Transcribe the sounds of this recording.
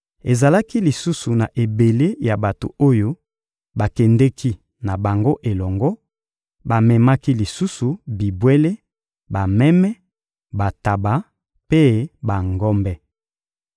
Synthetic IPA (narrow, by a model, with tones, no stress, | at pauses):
e˨za˨la˦ki˦li˨su˦su˨na˨ʔe˨be˨le˦ja˨ba˨to̰˨o˦jo˦ | ba˨kɛ˨ndɛ˦kʰi˦ | na˨ba˨ŋɡo˦ʔe˨lɔ˨ŋɡɔ˦ | ba˨mɛ˨ma˦ki˦li˨su˦su˨bi˨bwe˦le˦ | ba˨mɛ˦mɛ˦ | ba˨ta˨ba˨ | pe˦ba˨ŋɡɔ˦mbɛ˦